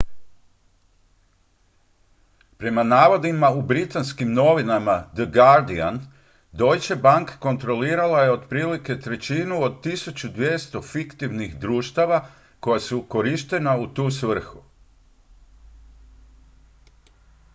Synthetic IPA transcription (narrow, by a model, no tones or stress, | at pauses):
pɾe̞manaːʋo̞d̪imaubɾit̪anskimno̞ʋinamad̪əɡaɾd̪ian | d̪o̞jt͡ɕebaŋkḁko̞nt̪ɾo̞liːɾalaje̞o̞d̪pɾiːlike̞t̪ɾe̞t͡ɕiːnuod̪̚t̪isut͡ʃud̪ʋjest̪o̞fikt̪iʋnixd̪ɾuːʃt̪aʋa | ko̞jasuko̞ɾiʃt̪e̞naut̪uːsʋr̩xu